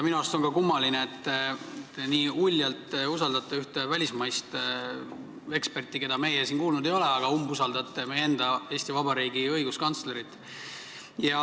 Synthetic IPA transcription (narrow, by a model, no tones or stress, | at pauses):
jɑminuɑst̪o̞nkɑkumːɑlineet̪ː | niːulʲːjɑlt̪usɑld̪ɑt̪ːˑeyht̪evælʲismɑjst̪ | e̞kspe̞rt̪ːˑike̞d̪̥ɑme̞jesiːnkuːlnud̪̥e̞jo̞leɑɡ̥ɑumbusɑld̪ɑt̪ːˑemejeend̪̥ɑe̞ːsʲt̪ivɑbɑɾiːɡiɤjɡ̥uskɑnt̪sle̞ɾit̪ːˑ | jɑ